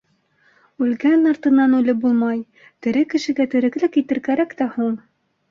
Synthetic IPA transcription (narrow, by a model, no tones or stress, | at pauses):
ʉlɡænɑɾt̪ɤ̆nːɑnʉlɘbulˠmɑj | t̪ɘ̆ɾɘkɘ̆ʃɘ̆ɡæt̪ɘ̆ɾɘ̆klɘkit̪ɘ̆ɾkæɾækt̪æhuɴ